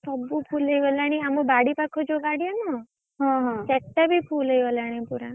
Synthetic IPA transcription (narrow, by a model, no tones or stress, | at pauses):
sɔbupʰuləjʋɔlaɽ̃iamubaɽipakʰɔd͡ʒoɡaɽijanɔ | ɦɔ̃ɦsɛʈːabʱipʰuləjʋɔlaɽ̃ipuɾa